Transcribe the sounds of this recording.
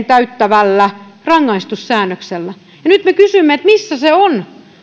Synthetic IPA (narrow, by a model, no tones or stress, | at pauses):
nt̪æyt̪ːæʋælːærɑŋːɑist̪ussæːnːøkselːæ | jɑnyt̪mekysymːeet̪misːæseon